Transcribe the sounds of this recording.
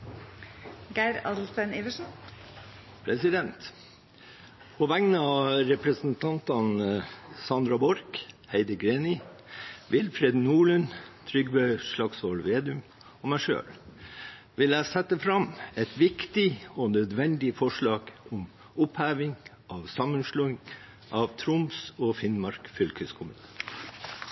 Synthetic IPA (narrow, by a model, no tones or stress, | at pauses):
ɡæɪɾɑd̪l̩st̪æneːʋəʂn̩ | pʰɾɛsɪd̪ɛnt̪ | pʰoʋæŋnəɑɾɛpɾɛsn̩t̪ʰɑnt̪ɑnsɑnd̪ɾɑbɔɾkhæɪd̪əɡɾeːnɪ | ʋɪlfɾeːd̪nuːɭənt̪ʰɾʏɡbœʏʂlɑksolʋeːd̪ʉm | ɔmæʂø̰ːl | ʋɪlæɪsɛt̪ːəfɾɑmɛt̪ʋɪkt̪ɪɔnœd̪ʋɛnd̪ɪfɔʂɭɑːɡ̥ɔm | ʊphæːʋɪŋ | ʔɑʋsɑmənʂluːɪŋ | ʔɑʋt̪ʰɾʊmsɔːfɪnmɑɾkfʏlkʰəskʰʊmət̪ʰe